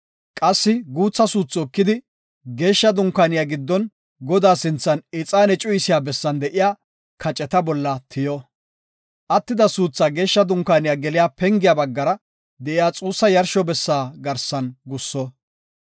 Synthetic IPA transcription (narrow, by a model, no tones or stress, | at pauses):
kʼɐsːɪɡuːt͡sːɐsuːt͡sːɔɔkːɪd̪ɪ | ɡe̞ːʃːɐd̪ʊŋkaːnɪjaːɡɪd̪ːɔn | ɡɔd̪aːsɪnt͡sːɐnɪt͡sʼaːnɛt͡ʃʼʊjɪsɪjaːbɛsːɐnd̪ɛʔɪjaː | kʰɐt͡ʃʼɛt̪ɐbɔlːɐt̪ʰɪjɔ | ʔɐt̪ːɪd̪ɐsuːt͡sːaːɡe̞ːʃːɐd̪ʊŋkːaːnɪjaːɡɛlɪjaːpɛŋɡɪjaːbɐɡːɐɾɐ | d̪ɛʔɪjaːt͡sʼuːsːɐjɐɾʃɔbɛsːaːɡɐɾsɐnɡʊsːɔ